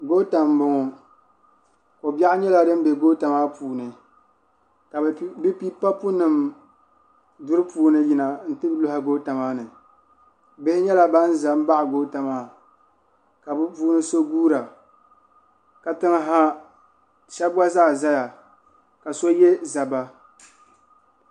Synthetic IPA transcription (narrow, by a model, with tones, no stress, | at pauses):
ɡo˦ta˨mbʊ˨ŋɔ˨ | ko˨ba˦ʔɲɛ˦la˦dɨ˦m˦bɛ˨ɡoː˦ta˨maː˦puː˨nɨ˨ | ka˨bbɨ˦pi˦pa˦pu˦nɨ˨m | dʊ˦ɾɨ˦puː˨nɨ˦ji˨na˨n̩˦tɨ˦blʊ˦ha˨ɡo˦ta˨maː˦nɨ˨ | bɪ˦ɪ˦ɲɛ˦la˦ba˦n̩˦za˨m˦ba˦ʔɡo˦ta˨maː˨˦ | ka˨bɨ˦puː˦nɨ˦so˦ɡuː˦ɾa˨ | ka˨tɨ˦ŋ˦ɦa˦ | ʃɛ˦bbwa˦zaː˦˨za˦ja˨ | ka˨so˦jɛ˦za˨ba˦